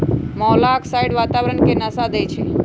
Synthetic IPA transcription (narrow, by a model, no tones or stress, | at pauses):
mɔlaksaiɽʋat̪aʋɾəɳkenəsad̪əjt͡ʃʰe